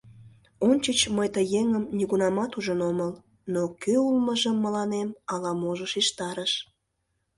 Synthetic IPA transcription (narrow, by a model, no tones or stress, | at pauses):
onʲt͡ɕət͡ɕməjt̪əjeŋəmnʲiɣunɑmɑt̪uʒənoməl | nokøulməʒəmːəlɑnemɑlɑmoʒəʃiʃt̪ɑɾəʃ